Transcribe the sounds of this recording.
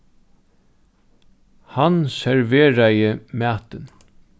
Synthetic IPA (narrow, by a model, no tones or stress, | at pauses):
hansɛɹʋeːɾajəmæːt̪ən